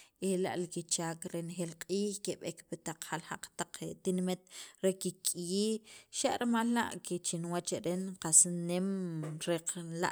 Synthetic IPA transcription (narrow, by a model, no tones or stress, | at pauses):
ela̰ʔlikit͡ʃaːkɾenxelqʼiːxkeɓekpit̪aq͡χhalhaq͡χt̪aq͡χet̪inmit̪̚ɾekikʼjiːʃaʔɾmalːa̰ʔket͡ʃinwat͡ʃeɾenqasnemɾeqla̰ʔ